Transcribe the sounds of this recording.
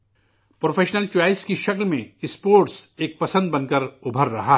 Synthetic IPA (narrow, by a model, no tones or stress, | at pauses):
pɾoːpʰeːʃnəlt͡ʃaːɪskiʃɐklmẽɪspoːɾʈseːk̚pɐsə̃nd̪̚bɐ̃nkəɾʊbʱəɾːɐɦa